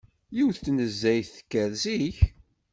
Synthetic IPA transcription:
jiwθtːnəzːæjθə̥kːæɾziç

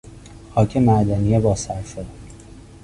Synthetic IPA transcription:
xɒːcʰemæɾd̪ænijebɒːsæɾʃod̪

